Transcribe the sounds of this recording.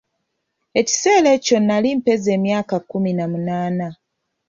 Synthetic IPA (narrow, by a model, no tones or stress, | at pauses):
e̞ci̥se̞ːle̞co̞nːalimpe̞ze̞ːmjaːkakuminamunaːna